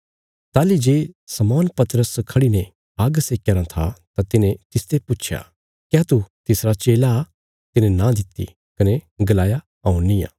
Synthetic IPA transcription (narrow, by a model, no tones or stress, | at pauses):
t̪aːlid͡ʒeːsɐmɔːnpɐt̪ɾəskʰɐɽinẽ | aːɡseːkjəɾat̪ʰa̰t̪at̪ɪnẽt̪ɪst̪epʊːt͡ʃʰja̰ | kjaːt̪ut̪ɪsɾat͡ʃeːla | t̪ɪnẽnãd̪ɪt̪ːḭ | kɐneɡɐlaːja | ɐːũnːɪjã̰ː